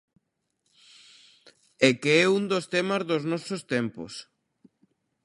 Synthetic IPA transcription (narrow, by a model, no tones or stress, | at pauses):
ɛkeɛund̪ost̪ɛmɐzðoznɔsost̪ɛmpo̰s